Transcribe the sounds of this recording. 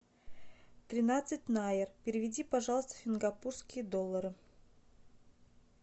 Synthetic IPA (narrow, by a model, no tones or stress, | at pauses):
t̪ɾʲɪnat̪sɨt̚ʲnajɪrpʲɪɾʲɪvʲɪdʲipaʐɑlˠəst̪əfʲɪnɡapurskʲijəd̪olˠːəɾɨ